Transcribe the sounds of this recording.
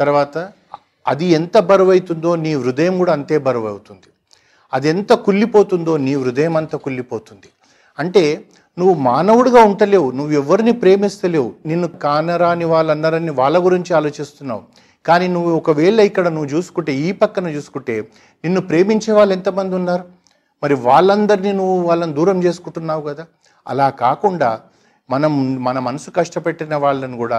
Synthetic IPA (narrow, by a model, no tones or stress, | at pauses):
t̪ɐɾʋaːt̪ɐː | d̪iɛnt̪ɐbɐɾɐʋɐjt̪und̪o̞ːniːʋɾud̪ɐjɐmɡuːɽaːɐnt̪e̞ːbɐɾɐʋɐ̰wut̪und̪i | ɐd̪ent̪ɐkulːipo̞ːt̪und̪oːniːʋɾud̪ɐjɐmɐnt̪ɐkulːipo̞ːt̪und̪i | ɐɳʈe̞ː | nuʋːumaːnɐʋuɽɐɡaːuɳʈɐle̞ːwunuʋːuɛʋːɐɾinipɾe̞ːmist̪ɐle̞ːwuninːukaːnɐɾaːniʋaːɭːɐnd̪ɐɾɐnːiʋaːɭːɐɡuɾiɲt͡ʃiaːlo̞ːt͡ʃist̪unːa̰ːwu | kaːniːnuʋːuɔkɐʋeːɭɐikːɐɽɐnuʋːut͡ʃuːsu̥kuɳʈe̞ːiːpɐkːɐnɐt͡ʃuːsu̥kuɳʈe̞ː | ninːupɾe̞ːmiɲt͡ʃɛːʋaːɭːent̪ɐmɐnd̪iunːaːɾu | mɐɾiʋaːɭːɐnd̪ɐɾiniːnuʋːuʋaːɭːɐnid̪uːɾɐmt͡ʃe̞ːsu̥kuɳʈunːaːwukɐd̪aː | ɐ̰laːkaːkuɳɖaː | mɐnɐmmɐnɐmɐnɐsu̥kɐʂʈɐpeʈːinɐʋaːɭːɐniɡuːɽaː